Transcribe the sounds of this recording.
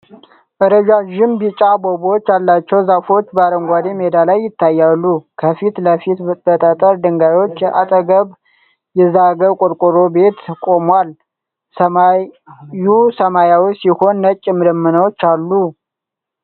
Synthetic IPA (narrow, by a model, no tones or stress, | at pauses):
ʔɨɾəʒaʒɪmbit͡ʃʼabobot͡ʃːalːat͡ʃːɛwzafo̞t͡ʃːbəaɾəŋɡʷad̪emed̪alajːɪt̪ːajːalːukʰəfit̪ləfit̪bət̪ʼət̪ʼəɾd̪ɨŋɡaɾjo̞t͡ʃːʔa̰t̪ʼəɡəβ | jɛzaɡəkʼoɾkʼʊɾo̞be̞t̪kʼo̞mwal | əmajusəmajawisiho̞nːət͡ʃʼːɪmɨd̪əmːɨnəwt͡ʃːalːu